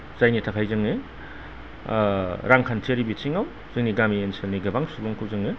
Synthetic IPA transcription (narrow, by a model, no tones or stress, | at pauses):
zajnitʰakʰajzɯŋe | ɾaŋkʰant͡ʃeɾibisʰiŋaw | z̥ɯŋniɡamienselniɡɐbaŋsubɔŋkʰɯwzɯŋe